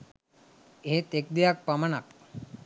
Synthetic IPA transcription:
eɦet̪ek̚d̪ejak̚pamanak̚

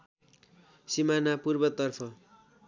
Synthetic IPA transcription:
simanapurbʌt̪ʌrpʰʌ

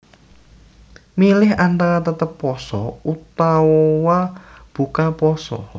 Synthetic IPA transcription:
milɪɦant̪aɾat̪ət̪əpːɔsɔut̪awɔwab̥ukapɔsɔ̰

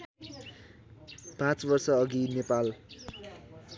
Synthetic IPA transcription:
pãt͡sbʌrsʌːɡinepal

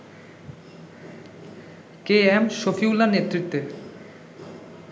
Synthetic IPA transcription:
keɛmʃofiwlanet̪ɾit̪ːe

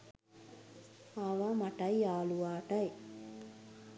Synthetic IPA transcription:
aʋamɐʈɐjaːluʋaːʈɐj

